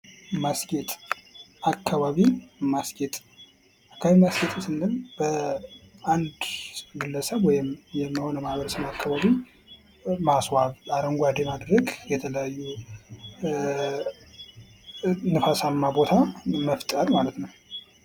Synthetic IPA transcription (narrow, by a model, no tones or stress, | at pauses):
masɡet̪ʼakʰːaβaβimasɡet̪ʼ | akʰːaβimasɡet̪ʼsɨnːɨmb̥ə | and̪ɡɨlːəsəβwɔjɪmjɛmːiho̞nəmahβəɾəsəmakːaβaβi | maswaβaɾəŋɡʷad̪emad̪ɾəɡjɛt̪ʰələjajːu | nɨfasamːabo̞t̪ʰaməft̪ʼəɾmalət̪nəw